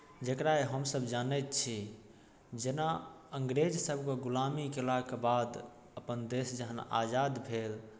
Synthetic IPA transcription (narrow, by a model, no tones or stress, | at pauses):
d͡ʒekɾaeɦəmsəbd͡ʒanɛt̪t͡ʃʰi | d͡ʒena | əŋɡɾed͡ʒsəbʱkeɡulamikelakebad̪ | əpənd̪esd͡ʒəɦəna̰d͡ʒad̪bʱel